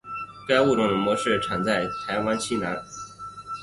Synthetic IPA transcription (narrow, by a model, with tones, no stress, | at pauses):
ka˥ɪu˥˩ʈ͡ʂʊ˧˥ŋnə˧˥mwɔ˧˥ʂɻ̩˥˩ʈ͡ʂʰa˨˩nt͡sa˥˩ɪt̪ʰa˧˥ɪwa˥nt͡ɕʰi˥na˧˥n